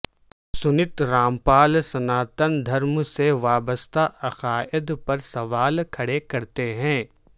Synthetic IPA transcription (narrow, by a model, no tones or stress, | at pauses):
sʊnɪt̪ɾaːmpaːlsɐnaːt̪ənd̪ʱɐɾmseʋaːbəst̪ʰaʔɐqaːʔɪd̪pɐɾsɐʋaːlkʰɐɽekɐɾt̪eɦɛ̃ː